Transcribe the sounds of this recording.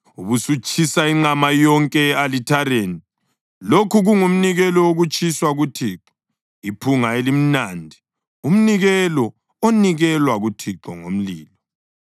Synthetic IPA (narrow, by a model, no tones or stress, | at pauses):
uβusut͡ʃʰisaiŋ͡ǃamajɔŋkʼɛalitʰaɾeni | lokʰuɣuŋum̩niɣɛlɔoɣut͡ʃʰʼiswaɣutʰiːǁɔ̥ | ipʰuŋaelim̩nandʱi | um̩niɣɛlɔ | oniɣɛlwaɣutʰiǁɔŋo̰m̩liːlɔ